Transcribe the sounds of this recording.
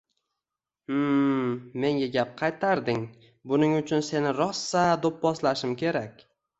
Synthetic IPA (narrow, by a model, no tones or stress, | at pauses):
me̞ŋɡʲaɡʲap̚qʰɑjt̪ʰaɾd̪ɪŋ | bʊnɪŋʊt͡ʃʰʊnse̞nɪɾɒsːad̪op̚bɒslaʃɪmkʲʰe̞ɾakʲ